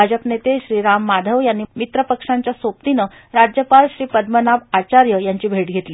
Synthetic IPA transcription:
ad͡ʑəpnet̪eɕɾiːɾamːad̪ʱəʋjanːiːmit̪ɾəpəkʂaɲt͡ɕjasop̚t̪inə | ɾad͡ʑjəpalɕɾiːpəd̪mənabat͡ɕaɾjəjaɲt͡ɕiːbʱeʈ̚ɡʱet̪liː

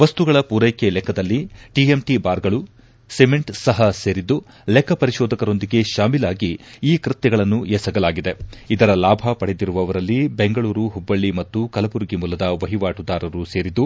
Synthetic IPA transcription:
ʋɐst̪uɡɐɭɐpuːɾɐjkelɛkʰːɐd̪ɐlːiʈiemʈibaːɾɡɐɭu | semeɳʈsɐɦɐse̞ːɾid̪ːu | lɛkʰːɐpɐɾiʃɔːd̪ɐkɐɾo̞nd̪iɡe̞ʃaːmilaːɡiiːkɾɨt̪jɛɡɐɭɐnːuɛsɐɡɐlaːɡid̪e̞id̪ɐɾɐlaːbʱɐpɐɽed̪iɾuʋɐʋɐɾɐlːibeŋɡɐɭuːɾuɦubːɐɭːimɐt̪ːukɐlɐbuɾɡimulːɐd̪ɐʋɐɦiʋaːʈud̪aːɾɐɾuse̞ːɾid̪ːu

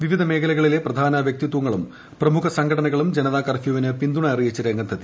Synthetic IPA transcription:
ʋiʋid̪ʱɐme̞ːkʰɐlɐɣɐɭile̞prɐd̪ʱaːnɐʋjɐk̚t̪it̪ːwɐŋːɐɭum | prɐmukʰɐsɐŋɡʰʱɐɽɐnɐɣɐɭumd͡ʑenɐðaːkɐrfjoːʋinɨpind̪uɳɐɐrijit͡ɕːɐɾeŋɡɐnd̪ʰʱɐt̪ːi

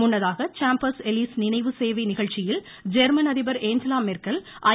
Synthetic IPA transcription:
mʊnːɐðaːɣɐt͡ʃaːmpɐsɛlisnɪnɐɪʋɯseːʋɐɪnɪɣɐɭt͡ʃːɪjɪl | d͡ʒɛɾmɐnɐðɪbɐɾeːɲd͡ʒɐlaːmɪrkɐlʔɐ

